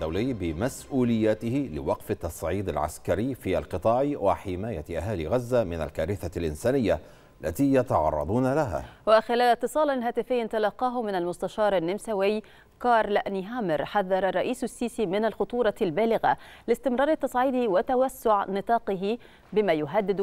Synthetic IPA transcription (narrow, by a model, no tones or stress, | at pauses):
d̪awlɪjːbɪmasʔuːlɪjːaːt̪ɪhɪlɪ̰wɑqfɪt̪ːɑsˤʕiːd̪alʕa̰skaɾɪjfiːʔa̰lqɨt̪ˤɑːʕwaħɪmaːjaʔaɦaːlɪɣazːamɪna̰lkaːɾɪθalʔɪnsaːnɪjːa | lːat̪iːjat̪ɑʕɑ̰rˤːɑ̰d̪ˤuːnalaɦa̰ːwaxɪlaːlɪt̪ːɨsˤɑːlalɦaːt̪ɪfɪjːt̪alɑːqːɑːɦʊmɪnalmʊst̪aʃɑːɾˤanːɪmsawɪj | kɑːɾˤlaʔniːɦaːmɪɾħaðːɑɾˤɑrˤːɑʔiːssːiːsiːmɪnalxʊt̪ˤuːɾˤɑlbaːlɪɣa̰lɪst̪ɪmɾˤɑːɾˤɪt̪ːɑsˤʕiːd̪wɪt̪awasːʊʕnɨt̪ˤɑːqɪɦɪ | bɪmaːjʊɦad̪ːɪd̪